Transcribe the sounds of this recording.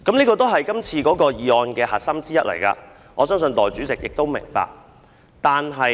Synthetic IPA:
kɐ˨˥mniː˥kɔː˧t̪̬o˥wɦɐ˨jkɐ˥mt͡sʰiː˧kɔː˨˥kɔː˧jiː˨ɔː˧nkɛː˧hɐː˨˩sɐ˥mt͡siː˥jɐ˥t̚lʔɐ̰˨˩jka̰ː˧ | ŋʔɔː˨˧sœː˥ŋsɵ˧nt̪ɔː˨jt͡syː˨˥t͡sɪ˨k̚jɪ˨k̚t̪o˥wmɪ̰˨˩ŋpa̰ː˨k̚ | t̪aː˨nɦɐ˨j

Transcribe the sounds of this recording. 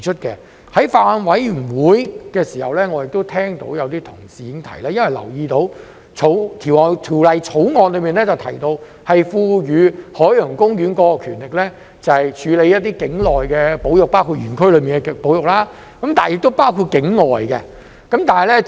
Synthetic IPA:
t͡ʃʰɵ˥t̚kɛ˧ | hɐ˨˥jfaː˧nwɐ˨˥j̩˨˩wuː˨˥jkɛː˧siː˨˩hɐ˨wlɛː˥ŋɔː˨˧jɪ˨k̚t̪o˥wt̪ʰɛː˥ŋt̪o̰˨˥wjɐ˨˧wt̪iː˥t̪ʰʊ˨˩ŋsiː˨˧jɪ˨˧˥ŋt̪ʰɐ˨˩jlaː˥jɐ˥nwɐ˨˩jlɐ̰˨˩wjiː˧t̪o˨˧˥w | t͡ʃʰo˨˧˥wt̪ʰiː˨˩wɔ˨˩t̪ʰiː˨˩wlɐ˨jt͡ʃʰo˨˥wŋɔː˧nlɵ˨˧ɥmiː˨˩nlɛ˥t͡sɐ˨˩wt̪ʰɐ˨˩jt̪o˧w | hɐ˨jfuː˧jyː˨˧hɔː˨˥jjœː˨˩ŋkʊ˥ŋjyː˨˥nkɔː˨˧kɔː˧kʰyː˨˩nlɪ˨k̚lɛː˥ | t͡sɐ˨hɐ˨jt͡ʃʰyː˨˧le˨˧jɐ˥t̚t̪iː˥kɪ˨˥ŋlɔː˨jkɛ˧po˨˥wjʊ˨k̚paː˥wkʰu˧t̚ɥyː˨˩nkʰɵ˥ɥlɵ˨˧ɥmiː˨nɛ˧po˨˥wjʊ˨k̚laː˥ | kɐ˨˦mt̪aː˨njɪ˨k̚t̪o˥wpaː˥wkʰuː˧t̚kɪ˨˥ŋŋɔː˨jkɛ̰˧ | kɐ˨˦mt̪aː˨nɐ˨jlɛ˥

